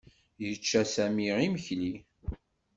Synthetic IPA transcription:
jət͡ʃːæsæmiʁiməçli

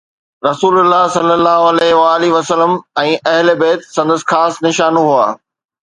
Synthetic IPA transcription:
ɾɐsuːlʊlːaɦsɐlːəlːaːɦoɐlɛɦʋaːliʋɐsələmɛ̃ːʔɐɦɪlebeːt̪sɐ̃nd̪əsɪ̥̆xaːsnɪʃaːnoɦua̰ː

